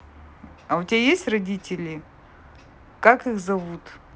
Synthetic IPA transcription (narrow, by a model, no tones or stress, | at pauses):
aʊtʲbʲajesʲtʲrɐdʲitʲɪlʲɪ | kakɨxzɐvut̪